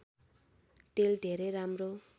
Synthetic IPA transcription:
t̪eld̪ʱeɾeɾamro

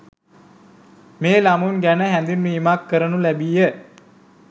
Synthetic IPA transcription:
meːlamunɡænəɦænd̪inʋiːmakːəɾənulæbijə

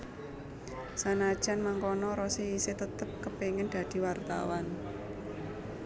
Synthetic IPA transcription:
sanad̥ʒ̥anmaŋkɔnɔɾɔseiset̪ət̪əp̚kəpeŋɪnd̪̥a̤d̪̥i̤wart̪a̰wan

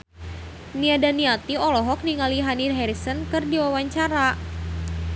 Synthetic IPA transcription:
niadaniat̪iɔlɔɦɔk̚niŋaliɦanidɦɛɾisənkɨrdiwawaɲt͡ʃaɾa

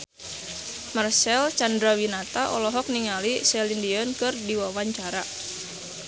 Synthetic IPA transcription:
marsɛlt͡ʃandɾawinat̪aʔɔ̰lɔɦɔk̚niŋalisɛlindiɔnkɨrdiwawaɲt͡ʃaɾa

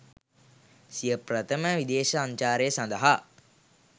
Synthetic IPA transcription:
sijəprət̪ʰəməʋid̪eːʃəaɲt͡ʃaːɾejəsãnd̪əɦa

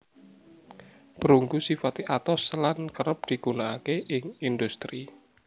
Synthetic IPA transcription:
b̥əɾuŋɡusifat̪iʔat̪ɔslankəɾəp̚d̪̥i̤ɡ̥unaakeʔɪŋind̪ust̪ɾi

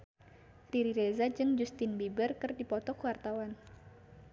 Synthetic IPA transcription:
liɾiɾezad͡ʒɨŋd͡ʒust̪inbibərkɨrdipɔt̪ɔkuwart̪awan

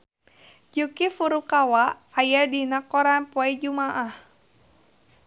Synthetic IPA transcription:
d͡ʒukifuɾukawaʔːjadinakɔɾanpɔɛd͡ʒumaʔah

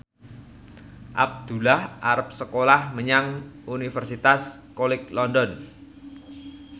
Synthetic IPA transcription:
ʔa̰b̚d̪̥ulahʔaɾəp̚səkolahməɲaŋunifərsit̪as | kolɪk̚lɔndɔn

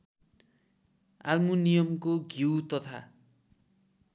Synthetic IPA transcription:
a̰lmunijʌmkoɡʱiwt̪ʌt̪ʰa̰

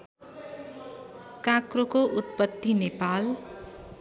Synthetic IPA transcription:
kãkrokoʔut̪̚pʌt̪ːinepal

